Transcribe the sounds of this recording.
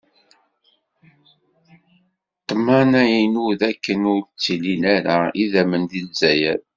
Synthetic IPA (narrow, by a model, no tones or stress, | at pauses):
t̪ːmænæjinuðækːənʊɾt͡sːilinæɾaiðæmənd̪inzæjæɾ